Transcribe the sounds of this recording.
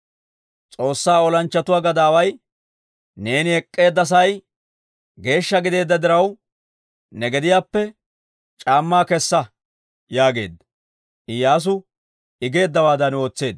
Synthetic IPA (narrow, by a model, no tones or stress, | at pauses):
t͡sʼo̞ːsːaːɔlɐnt͡ʃːɐt̪ʊwaːɡɐd̪aːwɐj | ne̞ːnɪɛkʼːe̞ːd̪ːɐs̬ɐj | ɡe̞ːʃːɐɡɪd̪e̞ːd̪ːɐd̪ɪɾɐw | nɛɡɛd̪ɪjaːpːɛ | t͡ʃʼaːmːaːkɛsːɐ | jaːɡe̞ːd̪ɐ | ʔɪjaːs̬ʊ | ɪɡe̞ːd̪ːɐwaːd̪ɐno̞ːt͡sːe̞ːd̪